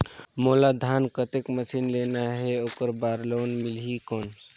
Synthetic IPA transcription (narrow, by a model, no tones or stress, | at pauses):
molad̪ʱankət̪ekməsinlenaɦeokəɾbaɾlonmilɦikon